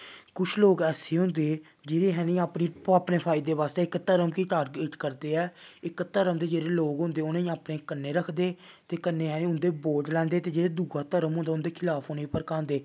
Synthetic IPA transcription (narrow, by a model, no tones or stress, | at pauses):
kʊt͡ʃʰloːɡɛːseːɦʊ̃nd̪eː | d͡ʒeːɾeːɦɛːnĩːaːpniːaːpneːpʰaːɪd̪eːʋaːst̪eːɪkt̪əɾəmkiʈaːɾɡiːʈkəɾd̪eːɛːɪkt̪əɾəmd̪eːd͡ʒeːɾeːloːɡɦʊ̃nd̪eːʊnẽĩːaːpneːkənːeːɾəkʰd̪eː | t̪eːkənːeːɦɛːnẽːʊnd̪eːboːʈlɛ̃ːnd̪eːt̪eːd͡ʒeːɾeːd̪uːɡaːt̪əɾəmɦʊ̃nd̪aːʊnd̪eːkʰɪlaːpʰʊneːpəɾkãːnd̪eː